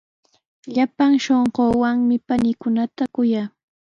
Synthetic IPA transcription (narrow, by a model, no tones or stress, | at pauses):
ʎapaŋʃoɴɢoːwaŋmɪpanɪkʊnat̪akʊjaː